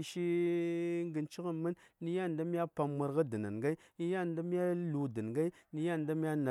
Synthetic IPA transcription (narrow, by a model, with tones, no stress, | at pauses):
ʃi˦ | ŋɡə˨nt͡ʃi˦ɣə˦mːə˦nni˦ja˦˨nda˦mi˦ja˦pa˨mmə˨ɾɣa˦də˨na̰˨nɡa˦ | ni˦ja˦˨nda˦mi˦a˦lu˨də˨n˨ɡa˦i˦ni˦ja˦˨nda˦mi˦ja˦na˨